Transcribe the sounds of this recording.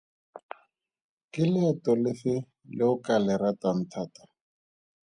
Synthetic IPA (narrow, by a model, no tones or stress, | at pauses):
kɪlɪatɔlɪfɪ | lɪʊkalɛɾatan̩tʰaːtḁ